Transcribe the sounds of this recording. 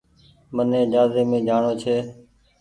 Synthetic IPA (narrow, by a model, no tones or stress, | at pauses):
mənẽːd͡ʒaːzeːmẽːd͡ʒʱaːɳoːt͡ʃʰeː